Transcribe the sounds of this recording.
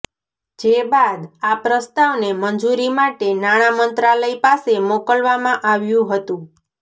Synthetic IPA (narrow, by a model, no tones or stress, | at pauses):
d͡ʒebad̪apɾəst̪aʋnemənd͡ʒuɾimaʈenaɽ̃amənt̪ɾaləipasemokəlʋamãʔaʋjũɦət̪ũ